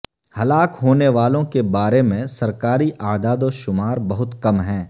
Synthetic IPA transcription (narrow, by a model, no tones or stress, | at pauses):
hɐlaːkɦoːneʋaːlõkebaːɾemẽsɐɾkaːɾiʔaːd̪aːd̪oʃʊmaːɾbɐɦʊt̪kɐmɦɛ̃ː